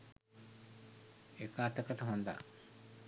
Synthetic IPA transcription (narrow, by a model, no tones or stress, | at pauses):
ekaːt̪ɐkɐʈɐɦond̪a̰